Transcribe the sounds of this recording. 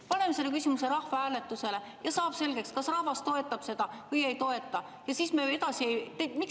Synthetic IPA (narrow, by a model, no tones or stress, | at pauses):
pɑne̞mese̞lːekysʲimuse̞ɾɑhvɑæːle̞t̪ːˑuse̞le̞ | jɑsɑːb̥se̞lɡ̥e̞kskɑsrɑhvɑst̪o̞e̞t̪ːˑɑb̥se̞d̪̥ɑkuje̞jt̪o̞e̞t̪ːˑɑ | jɑsiːsmeed̪̥ɑsie̞jt̪emik